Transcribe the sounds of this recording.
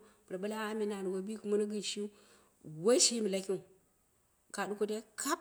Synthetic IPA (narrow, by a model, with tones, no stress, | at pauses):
bɾa˨ba˦la˦a˦mi˨na˨n˨wa˨˦bi˦ku˦ma˦na˦ɡi˦n˨ʃi˦ | wa˦i˦ʃi˦mi˨la˦kʲi˦˨ | ka˨du˦ko˦te˦kʰa˦